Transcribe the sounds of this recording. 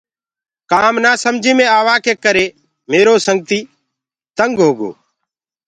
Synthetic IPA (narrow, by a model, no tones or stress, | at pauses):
kaːmnaːsəmd͡ʒʱĩːmẽːaːʋaːkʰeːkəɾeː | meːɾoːsəŋɡ̚t̪iː | t̪əŋɡɦoːɡo̰ː